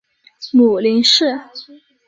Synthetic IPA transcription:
mu˨˩li˧˥nʂɻ̩˥˩

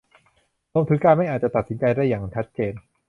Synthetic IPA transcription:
loː˧mt̪ʰɯ˦˥kːaː˧nma˥˩jʔaː˨˩t̚t͡ɕa˨˧t̪a˨˩t̪̚si˩˦nt͡ɕa˧jda˥˩jaː˨˩˧t͡ɕʰa˦˥t̪̚t͡ɕeː˧n

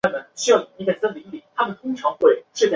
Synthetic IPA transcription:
mə˨˩nɕy˥jɑ˥˩ʊni˨˩i˥kʰa˥˩sa˥wə˨˩i˥˩pi˨˩˦t̪ʰa˥mə˨nt̪ʰʊ˥ŋʈ͡ʂʰɑ˧˥ŋxwe˥˧ɪʂɻ̩˥˩t͡ɕa˥˩

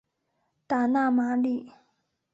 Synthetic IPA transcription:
t̪a˩˨na˥˨ma˩˨ri˩˨ʔ

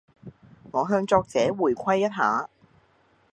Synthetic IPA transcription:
ŋɔː˨˧ɦœː˧ŋt͡sɔː˧k̚t͡sɛː˨˥wuː˨˩jkʷʰɐ˥jːɐ˥t̚ɦaː˨˥

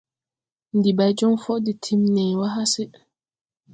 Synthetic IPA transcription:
n̩˨di˨ba˨˦d͡ʒɔ˦ŋfɔ˦di˨tʰi˦mnɛ˨wa˦ɦa˦sɛ˦

